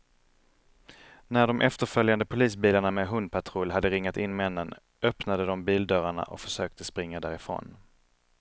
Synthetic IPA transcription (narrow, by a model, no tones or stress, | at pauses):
næɖɔmʔɛft̪əɾfœljand̪əpʰʊliːsbiːlaɳameɦɵnd̪̚pʰaʈ̪ʰɾɔlɦad̪ːəɾɪŋːat̪ɪnmɛnːən | œpnad̪əd̪ɔmbiːld̪œɾaɳa̰ʔɔ̰kfœ̥ʂøːk̚t̪əspɾɪŋːad̪æːɾɪfɾo̰ːn